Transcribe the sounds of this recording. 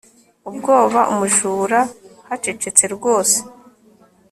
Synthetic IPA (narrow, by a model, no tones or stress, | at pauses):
ubɡo̞ːβaʔṵmuʒuːɾahat͡ʃet͡ʃet͡se̞ɾɡo̞ːse̥